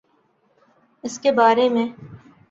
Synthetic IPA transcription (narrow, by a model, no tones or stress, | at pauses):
ɪskebaːɾemẽː